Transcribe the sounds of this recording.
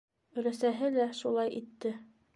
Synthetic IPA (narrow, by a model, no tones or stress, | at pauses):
ɵ̆ɾæsæɦɘlæʃulˠɑjʔit̪ːɘ